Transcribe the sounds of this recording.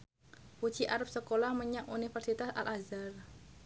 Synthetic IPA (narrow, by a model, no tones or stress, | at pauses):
put͡ʃiʔaɾap̚səkolahməɲaʔunifərsit̪asa̰lʔazar